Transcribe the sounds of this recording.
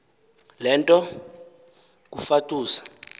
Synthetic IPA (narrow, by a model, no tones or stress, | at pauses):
lɛntʼɔ | k̬ʼufatʼuːsḁ